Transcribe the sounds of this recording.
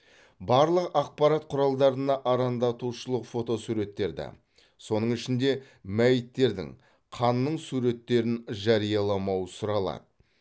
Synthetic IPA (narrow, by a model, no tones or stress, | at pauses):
bɑɾlˠəqɑq̚pɑɾɑt̪̚qʰʊɾɑlˠd̪ɑɾənɑʔɑɾɑnd̪ɑt̪uʃəlˠəqfo̞t̪o̞suɾe̞t̪ːe̞ɾd̪ɪ̰ | so̞nəɴɪʃɪnd̪e̞ | mæjɪt̪ːe̞ɾd̪ɪ̰ŋ | qʰɑnːəɴsuɾe̞t̪ːe̞ɾɪnʒɑɾijɑlˠɑmɑwəsʊɾɑlˠɑ̰d̪ə